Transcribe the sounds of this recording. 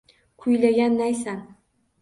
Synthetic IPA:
kʰʊjlaɡʲanːajsan

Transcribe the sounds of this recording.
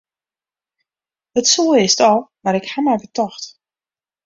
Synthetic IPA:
ətsuəɪstɔlˠmaɾɪkhamɛjbətɔxt

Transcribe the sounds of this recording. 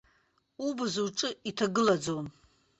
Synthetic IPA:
ubɨzuʈ͡ʂʼɨitʰaɡɨlad͡zom

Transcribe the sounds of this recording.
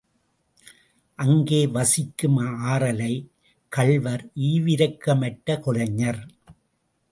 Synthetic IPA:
ʔɐŋɡeːʋɐsɪkːɯmaːɾɐlɐɪ | kɐɭʋɐɾiːʋɪɾɐkːɐmɐʈːɐkɔɻɐɲːɐɾ

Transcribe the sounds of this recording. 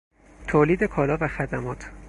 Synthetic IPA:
t̪ʰoːliːd̪e̞kʰɒːlɒːvæxæd̪æmɒːt̪ʰ

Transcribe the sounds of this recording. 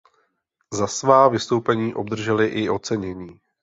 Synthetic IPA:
zasvaːvɪst̪o̞wpɛɲiːʔo̞bd̪r̩ʒɛlɪʔɪʔo̞t͡sɛɲɛɲiː

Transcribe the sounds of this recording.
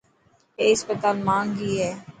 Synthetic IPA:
eːɪspət̪aːlmãːŋɡɦiːɦɛː

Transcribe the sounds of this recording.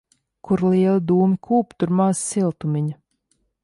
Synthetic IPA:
kuɾlˠiɛlˠid̪uːmikʰuːpt̪uɾmaːzsilˠt̪umiɲɐ

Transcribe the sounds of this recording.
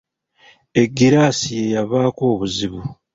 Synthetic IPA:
e̞ɡːiɾasije̞jaβaːko̞ːβuziβu

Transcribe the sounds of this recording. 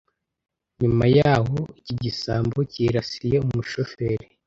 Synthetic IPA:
ɲumajaːɦo̞iciɟisaːmbo̞ciɾasije̞umuʃofeːɾe

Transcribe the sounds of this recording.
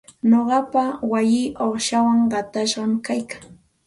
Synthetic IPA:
noɢɑpawajɪːʔoχʃawaŋɢɑt̪aʃɢɑmkajkaŋ

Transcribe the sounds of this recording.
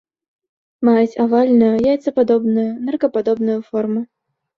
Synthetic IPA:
majut͡sʲavalʲnujujajt̪sɐpad̪ɔbnujunɛrkɐpad̪ɔbnujufɔrmu

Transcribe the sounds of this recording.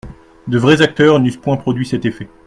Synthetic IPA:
d̪əvʁɛzak̚t̪œʁnyspwɛ̃pχɔd̪ɥisɛt̪efɛ

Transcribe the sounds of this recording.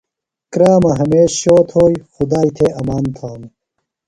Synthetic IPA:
kɾaːmɐɦɐmeːɕɕoːt̪ʰoːjxʊd̪aːit̪ʰeɐmaːnt̪ʰaːm

